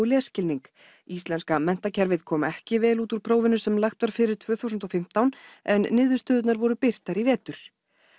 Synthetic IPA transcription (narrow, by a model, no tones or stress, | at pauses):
lɛascɪlniŋk | ist̪lɛnskamɛn̥t̪acʰɛɾvɪðkʰɔːmɛhcɪvɛːluːt̪uɾ̥pʰɾoːwvɪnʏsɛmlaxt̪vaɾ̥fɪɾɪɾ̥t̪ʰvœːθuwsʏnt̪ɔfɪm̥t̪awnɛnːɪːðʏ̥st̪œːðʏt̪naɾvɔɾʏpɪr̥t̪aɾivɛːt̪ʏɾ̥